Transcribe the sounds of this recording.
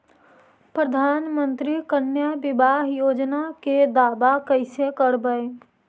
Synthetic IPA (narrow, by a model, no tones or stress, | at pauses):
pɾəd̪ʱaːnmə̃nt̪ɾikənjəbɪbaːɦjoːd͡ʒnaked̪aːbakəɪsekəɾbəe